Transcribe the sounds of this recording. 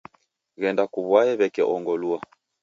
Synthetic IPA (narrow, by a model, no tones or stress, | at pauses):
ɣɛndakuβwaɛβɛkɛʔɔŋɡɔlua